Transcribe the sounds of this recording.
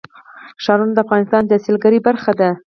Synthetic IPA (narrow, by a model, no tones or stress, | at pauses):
ʃɑɾunod̪əafɣɑnɪst̪ɑnd̪əasilɡaɾibaɾxad̪a